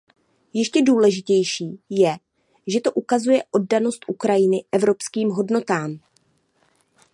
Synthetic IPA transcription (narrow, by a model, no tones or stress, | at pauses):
jɪʃcɛduːlɛʒɪcɛjʃiːjɛ | ʒɛt̪o̞ʔukazujɛʔo̞d̚dano̞st̪ʔukɾajɪnɪʔɛvɾo̞pskiːmɦo̞dno̞t̪aːm